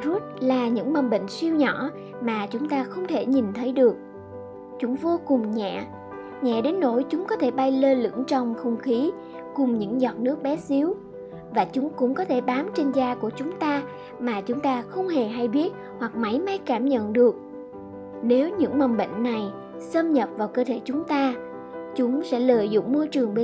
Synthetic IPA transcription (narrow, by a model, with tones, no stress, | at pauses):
zu˦˥t̚laː˨˩ɲɨ̰˧˥ŋmə˨˩nɓḛ˧˨ŋ̟swi˧əwɲɔ˧˩˥ | maː˨˩t͡ɕʊ˨˦ŋ͡mt̪aː˧xə˧wŋ͡mt̪ʰe˧˩ɲi˨˩nt̪ʰə˨˦jɗɨ˨˩ək̚ | t͡ɕʊ˨˦ŋ͡mvo˧kʊ˨˩ŋ͡mɲɛ̰ː˧˨ | ɲɛ̰˧˨ɗe˨˦nːo̰˧˥˩jt͡ɕʊ˨˦ŋ͡mkɔ˨˦t̪ʰe˧˩ɓa˧jle˧lɨ̰˧˥əŋt͡ɕɔ˧wŋ͡mxə˧wŋ͡mxi˨˦ | kʊ˨˩ŋ͡mɲɨ̰˧˥ŋzɔ˨˩t̚nɨ˦˥ək̚ɓɛ˨˦si˨˦əw | vaː˨˩t͡ɕʊ˨˦ŋ͡mkʊ̰˧˥ŋ͡mkɔ˨˦t̪ʰe˧˩ɓaː˨˦mt͡ɕe˧nzaː˧ku˧˩ət͡ɕʊ˨˦ŋ͡mt̪aː˧ | maː˨˩t͡ɕʊ˨˦ŋ͡mt̪aː˧xə˧wŋ͡mɦe˨˩ɦa˧jɓi˦˥ət̚ | hwa˨˩k̚ma˨˦jma˨˦jkaː˧˩mɲə̰˧˨nɗɨ˨˩ək̚ | ne˨˦wɲɨ̰˧˥ŋmə˨˩nɓə̰˧˨ŋ̟na˨˩j | sə˧mɲə˨˩p̚vaː˨˩wkəː˧t̪ʰe˧˩t͡ɕʊ˨˦ŋ͡mt̪aː˧ | t͡ɕʊ˨˦ŋ͡msɛ̰˧˥lə̰ː˧˨jzʊ̰˧˨ŋ͡mmo˧jt͡ɕɨ˨˩əŋɓe˧˦